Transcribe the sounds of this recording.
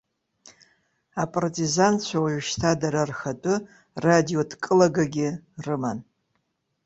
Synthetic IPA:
apʼartʼizant͡ɕʷʰawaɥʃtʰadaɾarxatʼʊ | radio̞dkʼɨlaɡaɡʲɪrɨman

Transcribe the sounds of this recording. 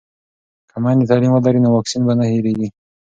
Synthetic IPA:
kʰamanit̪ɑlimalaɾinowɑksinbanaheɾeɡi

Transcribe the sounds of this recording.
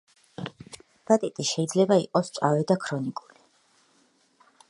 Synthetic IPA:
b̥at̪ʼit̪ʼiʃɛid̪zlɛbaiqʼɔst͡ʃʼavɛd̪akʰɾɔnikʼuli

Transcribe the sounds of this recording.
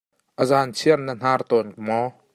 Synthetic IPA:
ʔəzant͡sʰiərnən̥aːrt̪ɔnkəmɔ

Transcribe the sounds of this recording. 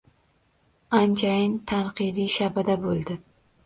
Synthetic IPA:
ant͡ʃʰajɪnt̪ʰanqʰɨd̪iʃabad̪abolˠd̪ɪ

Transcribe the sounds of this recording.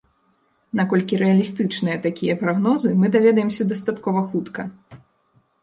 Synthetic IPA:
nakɔlʲkʲiɾɛɐlʲist̪ɨt͡ʂnɨjɐt̪akʲijɐpɾaɣnɔzɨmɨd̪avʲɛd̪ɐjɛmsʲɐd̪ɐst̪at̪kɔvɐxut̪kɐ

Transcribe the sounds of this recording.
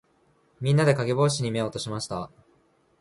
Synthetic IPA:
mʲĩnːad̪e̞kaɡe̞bo̞ːɕ̬iɲ̟ime̞oːt̪o̞ɕimaɕi̥t̪a

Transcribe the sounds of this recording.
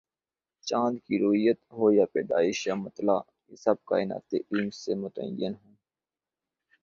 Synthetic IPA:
t͡ʃãːnd̪kiːɾoːɦɪjət̪ɦoːjaːpeːɖa̰ːɪʃjaːmət̪laː | jesəb̚ka̰ːɪna̰ːt̪eːʔiːmseːmʊt̪ə̰jənɦõː

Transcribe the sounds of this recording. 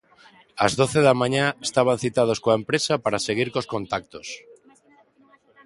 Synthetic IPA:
azðoθeðamãɲaest̪aβ̞anθit̪að̞oskoaempɾesapaɾaseɣ̞iɾkoskõnt̪ak̚t̪os

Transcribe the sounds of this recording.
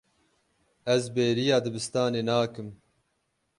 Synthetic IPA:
ɛzbeːɾijɑːd̪ɨbɨst̪ɑːneːnaːkɨm

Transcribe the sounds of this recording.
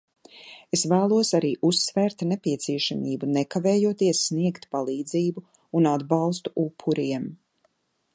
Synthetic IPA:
esvæːlˠuɔsaɾiːʔusːvɛːɾt̪nɛpiɛt̪siɛʃamiːbunɛkavɛːjuɔt̪iɛsːniɛkt̪palˠiːd̪ziːbu | unad̪bɑlˠst̪u̥ʔupʰːuɾiɛm

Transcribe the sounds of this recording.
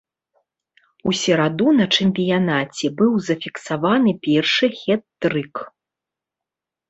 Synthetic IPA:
usʲɛɾad̪unɐt͡ʂɛmʲpʲijanat͡sʲɛbɨwzɐfʲiksavanɨpʲɛrʂɨxʲɛt̪ːɾɨk

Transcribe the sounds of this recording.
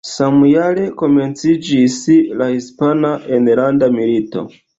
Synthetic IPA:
samujale̞ko̞me̞nt͡sid͡ʒislahispanaenlandamilito̞̰

